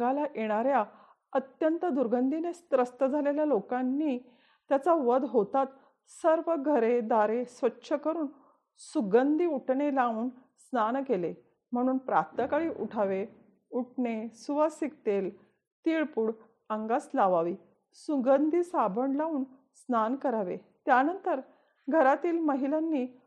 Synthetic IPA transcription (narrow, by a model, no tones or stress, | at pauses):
ɡalaʔjeɽ̃aɾja | ət̪jənt̪əd̪uɾɡənd̪ʱinest̪ɾəst̪əd͡zʱaleljalokãnːiː | t̪jat͡saʋəd̪ɦot̪at̪ | səɾʋəɡʱəɾed̪aɾesʋətːɕʰəkəɾuːn | suɡənd̪iuʈʰɳelauːn | snankele | m̤əɽ̃uːnpɾapt̪əkaɭiːʔuʈʰaʋe | uʈɳesuʋasik̚t̪el | t̪iɭpuːɽ | əŋɡaslaʋaʋiː | suɡənd̪ʱiːsabʱəɳlauːn | snankəɾaʋḛ | t̪janənt̪əɾ | ɡʱəɾat̪iːlməɦilanːiː